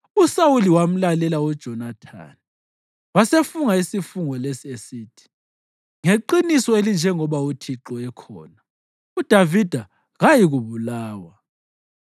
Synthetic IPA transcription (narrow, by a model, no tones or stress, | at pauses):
usawuliwam̩lalɛlaud̥ʒ̥ʱɔnatʰa̰ni | wasefuŋaisifuŋɔlesiesiːtʰi̥ | ŋeǃinisɔelind͡ʒʱɛŋɔβautʰiǁɔɛkʰɔ̰ːna | ud̥ʱavid̥ʱa | ɣajiɣuβulaːwa